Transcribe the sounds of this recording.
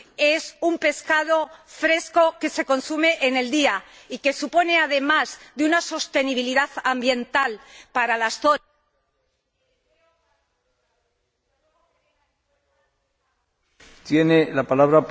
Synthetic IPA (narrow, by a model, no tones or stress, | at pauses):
e̞sumpe̞skað̞o̞fɾe̞sko̞ke̞se̞ko̞nsume̞ʔene̞ld̪ia | ike̞supo̞ne̞að̞e̞mazðeunaso̞st̪e̞niβ̞iliðaθambje̞nt̪alpaɾalasθo | t̪jenelapalaβɾap